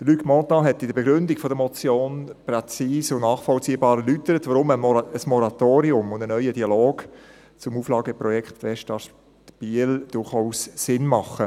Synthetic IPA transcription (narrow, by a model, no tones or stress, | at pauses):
d̥əɾlykmɔtɑɦɛtidəɾbeɡɾʏndikfɔdəmɔt͡sjoːnpɾɛt͡siːsʊnnɑːχfɔlt͡siːəbɑːɾɛlytəɾətʋaɾʊməəsmɔɾɑt̪oːɾiʊmʊndənœʏədiɑloːɡ | t͡sʊmuːflɑːɡəpɾɔjɛkχtʋɛʃtɑt | tb̥iəld̥ʊɾχaʊssɪnmɑχə